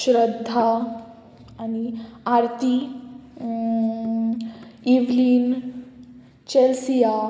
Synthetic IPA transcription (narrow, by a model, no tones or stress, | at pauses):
ɕɾəd̪ʱːa | aniaɾt̪i | iʋliːn | t͡ɕelsija